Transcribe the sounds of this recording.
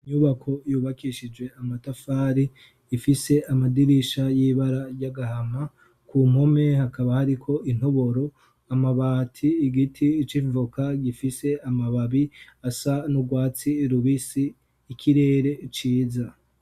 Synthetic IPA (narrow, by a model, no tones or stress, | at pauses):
iɲuβakʰo̞juːβakiʃid͡ʒɡwe̞amatafaːɾiː | fise̞ʔamadiɾiʃajiːβaɾaɾɟaɡahama | kum̥ho̞me̞hakaβahaɾikʰo̞in̥ho̞βo̞ɾo̞ | amaβaːtʰiːɡitʰit͡ʃivukaɡifise̞amaβaβiasanuɡwaːt͡siɾuβisiː | kʰiɾe̞ːɾe̞t͡ʃiːza